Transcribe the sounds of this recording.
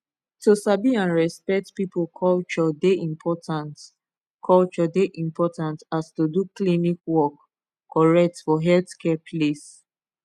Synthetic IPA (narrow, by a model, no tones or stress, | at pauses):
tusabiãnɹɛspɛk̚tpipolkʰɔlt͡ʃɔdeʔĩmpʰɔtãnt | kʰɔlt͡ʃɔdeʔĩmpɔtãntastuduklinikwɔkː | ɔɹɛk̚tfɔɦɛlθkʰɛpʰles